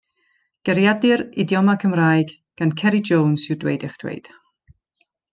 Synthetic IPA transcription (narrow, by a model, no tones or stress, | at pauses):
ɡ̥əɾjadɪrɪdjɔmakʰəmraːjɡ | ɡ̥ankʰɛɾid͡ʒownsɪdwḛjdɪχd̥wḛjd̥